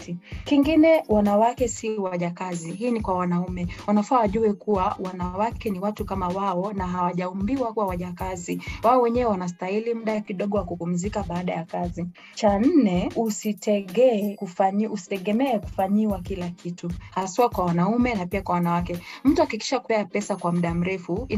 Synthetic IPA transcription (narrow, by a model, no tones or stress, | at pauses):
tikiŋɡinɛwanawakɛsiwaʄakaziɦiːnikwawanaumɛwanafuawaʄuɛkuwawanawakɛniwatukamawaɔnaɦawaʄaumbiwakwawaʄakaziwaɔwɛɲɛwɛwanas̬tailim̩ɗakiɗɔɠɔwakupum̩zikaɓaːɗajakazi | t͡ʃan̩nɛusitʰɛɠɛkufaɲiʔusi̥tɛɠɛmɛɛku̥faɲiwakilakʰituhasuwakwawanaumɛnapiakwawanawakɛm̩tuakiki̥ʃakupɛapɛsakwam̩ɗam̩ɾɛfui